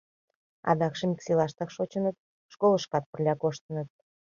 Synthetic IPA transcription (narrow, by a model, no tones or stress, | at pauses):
ɑ̰d̪ɑkʃĕmʲiksilˠɑʃt̪ɑkʃot͡ɕənət̪̚ | ʃkoləʃkɑt̪̚pərlʲɑkoʃt̪ənət̪̚